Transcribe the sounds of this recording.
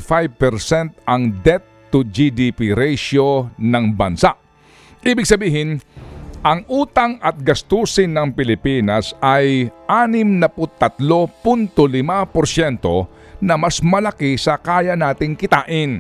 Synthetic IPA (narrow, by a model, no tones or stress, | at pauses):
fajb̚pɛɾsɛnt̪ʔɐŋd̪ɛt̪ː | ʊd͡ʒid̪ipiɾɛjʃonɐŋbɐnsaʔ | ʔiːbɪɡ̚sɐbiːɦɪnʔɐŋʔuːt̪ɐŋɐt̪̚ɡɐst̪uːsɪnːɐŋpɪlɪpiːnɐsɐjʔaːnɪmnɐpʊt̪ːɐt̪lo̞pʊnt̪olɪmapoɾsjɛnt̪o̞̰ | nɐmɐsmɐlɐkisɐkaːjɐnaːt̪ɪŋkɪt̪aːʔɪn